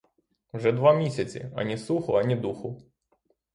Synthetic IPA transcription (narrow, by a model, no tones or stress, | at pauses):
wʒɛd̪ʋamʲisʲɐt͡sʲḭɐ̰nʲisˠuxʊɐnʲid̪uxʊ